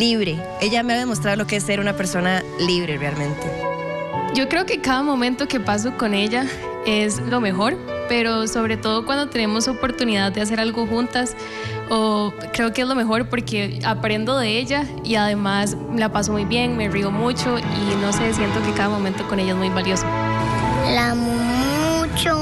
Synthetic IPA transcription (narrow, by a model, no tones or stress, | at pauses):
liβɾe̞ | e̞ʝameaðemost̪ɾaðolokeesːe̞ɾunapeɾso̞naliβɾe̞realmẽ̞nt̪e | d͡ʒo̞kɾe̞oke̞kaðamo̞mẽnt̪o̞kepas̬o̞ko̞ne̞ʎa | e̞slo̞me̞xo̞ɾpe̞ɾoso̞β̞ɾe̞t̪o̞ð̞okwand̪o̞t̪e̞ne̞mo̞sopo̞ɾt̪uniðaðd̪eas̬e̞ɾalɡo̞xunt̪as | o | kɾe̞okeezlo̞me̞xo̞ɾpoɾke̞apɾe̞nd̪oðe̞e̞ʎa | iaðemaslapas̬o̞mujbje̞ŋme̞rio̞mut͡ʃo̞ino̞se̞s̬je̞nt̪o̞kekaðamo̞ment̪oko̞ne̞ʎaezmujbaljo̞so | la | mut͡ʃo